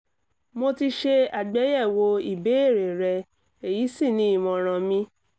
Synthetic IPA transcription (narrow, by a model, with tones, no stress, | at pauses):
mo˧ti˧ʃe˧a˨ɡ͡bɛ˨˦jɛ˦˨wo˧˦i˨be˨˦e˦˨ɾe˨ɾɛ˧ | e˨ji˨˦si˦˨nĩ˦i˦˨mɔ̃˨ɾ̃ã˧mĩ˧˦